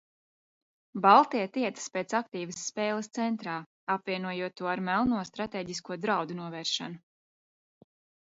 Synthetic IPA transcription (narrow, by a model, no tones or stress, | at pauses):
balˠt̪iɛt̪iɛt̪ə̥speːt̪sakt̪iːvəsːpeːlˠəst̪sɛnt̪ɾaː | apvʲiɛnuɔjuɔt̪ːuɔaɾmɛlˠnuɔst̪ɾat̪eːɟiskuɔd̪ɾawd̪unuɔvɛːɾʃa̰nu